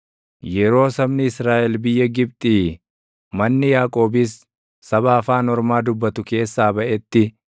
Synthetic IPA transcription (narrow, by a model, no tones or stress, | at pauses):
jɛɾo̞ːsɐbnɪɪsɾaːʔɛlbɪjːɐɡɪb̚t̪ʼiː | mɐnːɪjaːkʼo̞ːbɪsː | ɐβaːfaːnɔɾmaːd̪ʊbːɐt̪ʊke̞ːsːaːbɐʔɛt̪ːɪ